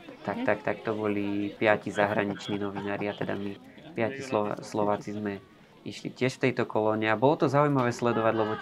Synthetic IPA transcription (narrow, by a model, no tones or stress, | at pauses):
t̪akt̪akt̪ak̚t̪ɔbɔlipɪacizaɦɾaɲit͡ʃniːnɔʋinaːɾɪat̪ɛd̪a̰mi | pɪacislɔ̰slɔʋaːt͡sizmɛ | iʃlḭcɪɛʃft̪ɛjt̪ɔkɔlɔɲɛabɔlɔt̪ɔzaujmaʋɛːslɛd̪ɔʋaɟlɛbɔ